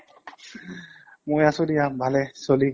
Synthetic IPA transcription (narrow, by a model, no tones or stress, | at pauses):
mojasodijabʱalɛsoli